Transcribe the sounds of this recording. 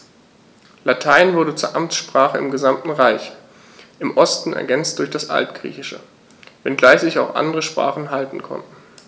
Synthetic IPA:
latʰaɪnvʊɐɾət͡suːɐʔamt͡sʃpʁ̥aːχəɪmɡəzamtn̩ʁaɪç | ʔɪmʔɔstn̩ɛ̰ɐɡɛnt͡st̚d̥ʊɐçd̥asʔa̰ltɡ̥ʁḭːçɪʃə̰ | vɛnɡlaɪçz̥ɪçaʊxʔa̰ndəʁəʃpʁ̥a̰ːχn̩ɦaltn̩kʰɔ̰ntn̩

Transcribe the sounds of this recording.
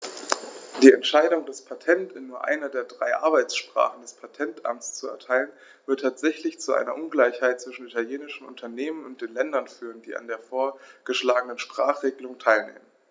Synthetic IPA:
d̥iːɛntʃaɪdʊŋdaspʰatʰɛntɪnːuːɐʔa̰ɪnɐdeːɐdʁaɪʔaɐbaɪt͡sʃpʁ̥a̰ːχn̩dɛspʰatʰɛntʔa̰mtt͡st͡suɛ̰ɐtʰaɪlən | vɪɐtʰaːtz̥ɛçlɪçt͡suʔa̰ɪnɐʔʊnɡlaɪçhaɪt̚t͡sv̥ɪʃn̩itʰaljeːnɪʃn̩ʊ̰ntʰɐneːmənʊnt̚d̥eːnlɛndɐnfyːʁəndḭːʔa̰ndeːɐfoːɐɡ̥əʃlaːɡənənʃpʁ̥aːχʁ̥eːɡəlʊŋtʰaɪlnḛːmən

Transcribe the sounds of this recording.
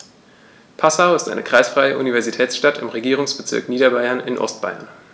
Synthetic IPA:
pʰasaʊɪstʔa̰ɪnəkʁ̥aɪsfʁ̥aɪəʔunivɛɐzitʰɛːt͡sʃtatɪmʁeɡiːʁʊŋsb̥ət͡sɪ̰ɐkniːdɐbaɪɐnɪnʔɔ̰stb̥aɪɐ̰n

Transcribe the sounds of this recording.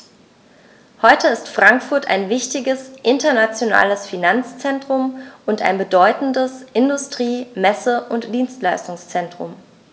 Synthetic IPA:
hɔʏtəɪstfʁ̥aŋkfʊɐtʰa̰ɪnvɪçtɪɡəsʔɪntɐnat͡sjona̰ːləsfinant͡st͡sɛntʁ̥ʊmʔʊntʔa̰ɪnbədɔʏtn̩dəsʔɪndʊstʁ̥iːmɛsəʔʊntd̥iːnstlaɪstʊŋst͡sɛntʁ̥ʊ̰m

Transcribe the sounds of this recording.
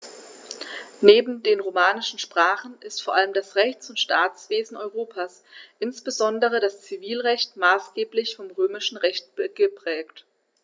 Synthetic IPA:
neːbm̩deːnʁoːmaːnɪʃn̩ʃpʁ̥aːχn̩ɪstfoːɐʔaləmdasʁɛçt͡sʊntʃtʰaːt͡sv̥eːzn̩ʔɔʏʁoːpʰaːs | ʔɪnsb̥əzɔndəʁədast͡siviːlʁɛçtmaːsɡ̥eːplɪçfɔmʁøːmɪʃn̩ʁɛçt̚b̥əɡ̥əpʁ̥ɛːkt

